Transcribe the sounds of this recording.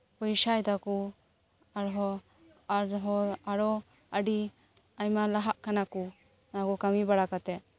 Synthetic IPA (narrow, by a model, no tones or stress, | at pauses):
pɔjsajd̪aku | aɾɦɔ | aɾɦɔaɽɔ | əɖi | ajmalaɦaʔkanaku | nakɔkamibaɽakat̪ɛ